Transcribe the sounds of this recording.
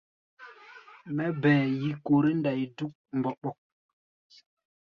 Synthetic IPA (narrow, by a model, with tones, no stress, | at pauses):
mɛ˦bɛ̃ː˨ji˨ko˨ɾe˦nda˨ji˨du˦k̚m̩˨bɔ˨ɓɔ˦k̚